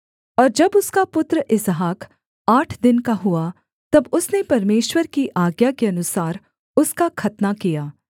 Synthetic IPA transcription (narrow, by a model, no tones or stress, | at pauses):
ɔːɾd͡ʒɐbʊskapʊt̪ɾəʔɪsɦaːk | aːʈʰd̪ɪnkaɦua | t̪ɐbʊsnepɐɾmeːʃwəɾkiʔaːɡjakeɐnʊsaːɾ | ʊskakʰɐt̪nakijaː